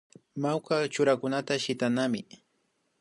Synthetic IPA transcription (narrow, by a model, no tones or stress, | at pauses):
mawkat͡ʃʊɾakʊnat̪aʃɪt̪anamɪ